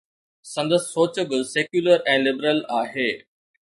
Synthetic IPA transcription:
sɐ̃nd̪əsɪːoːt͡ɕəɡəseːkjuːləɾɛ̃ːlɪbəɾəlaːɦeː

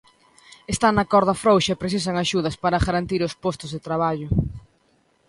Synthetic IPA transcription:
est̪anɐkɔɾðɐfɾowʃɐepɾeθis̬aŋaʃuðɐspaɾɐɣaɾant̪iɾʊspɔst̪ʊzðet̪ɾaβ̞aʎʊ

